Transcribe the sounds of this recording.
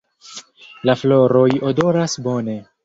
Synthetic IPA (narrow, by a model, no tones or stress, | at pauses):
laflo̞ɾo̞jodo̞ɾasbo̞ne̞